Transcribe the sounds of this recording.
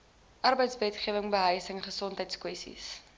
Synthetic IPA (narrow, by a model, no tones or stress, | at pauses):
ʔɐrbəjtsvɛtχiəvəŋbəɦəjsəŋχəsɔntɦəjtskwɛstḭs